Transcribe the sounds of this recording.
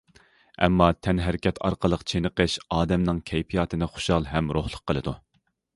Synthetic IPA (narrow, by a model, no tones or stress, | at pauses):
ɛ̰mːɑt̪ʰɛnɦæɾɪkʲʰɛt̪ʰɑ̰ɾqʰəlˠəqt͡ʃʰenɨqəʃɑːd̪ɛmnɨŋkʲʰɛjpʰijɑːt̪ʰɨnɨχʊ̥ʃɑlˠɦɛmɾohlˠʊq̚ʰːəlˠɨd̪u